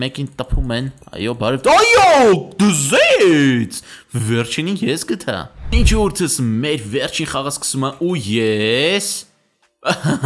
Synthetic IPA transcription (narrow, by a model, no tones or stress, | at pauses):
mɛkint̪əpʰumɛnɑ̰jɔbɑɾɛvt̪ɑjɔd̪əzɛt͡sʰvɛɾt͡ʃʰininjɛsɡət̪ʰɑ̰int͡ʃʰuɾt̪ʰəsmɛɾvɛrt͡ʃʰinχɑʁəskə̥sumɛʔujɛs